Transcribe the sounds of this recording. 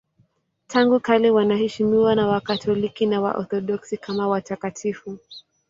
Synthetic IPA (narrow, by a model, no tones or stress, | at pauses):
tʰaŋɡukalɛwanahɛʃimiwanawakatʰɔlikinawa̰ʔɔ̰θɔɗɔksikʰamawatakatʰifu